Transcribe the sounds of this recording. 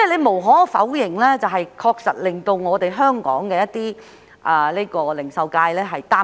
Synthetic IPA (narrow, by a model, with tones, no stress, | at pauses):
ɛ˥˩le˨˧jmo˨˩wɦɔː˨˥˧fɐ˨˥wjɪ˨˩ŋlɛː˥t͡sɐ˨wɦɐ˨jkʰɔː˧k̚sɐ̰˨t̚lɪ˨ŋt̪o˧wŋɔː˨˧t̪e˨jɦœː˥ŋkɔ̰ː˨˥ŋkɛː˧jɐ˥t̚t̪iː˥ | ʔɐ˨leː˥kɔː˧lɪ˨˩ŋsɐ˨wkaː˧jlɛː˥ɦɐ˨jt̪aː˥